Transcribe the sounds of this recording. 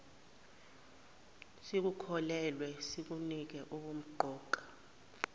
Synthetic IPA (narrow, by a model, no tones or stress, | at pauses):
sik̬ukʰɔlɛlwɛsik̬unik̬ɛʔuk̬um̩ǃʱɔːǃḁ